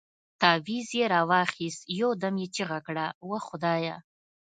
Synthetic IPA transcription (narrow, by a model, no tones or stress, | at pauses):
t̪ɑwizjeɾɑwɑxist̪jod̪amjet͡ʃiɣakɽawaxʊd̪ɑːja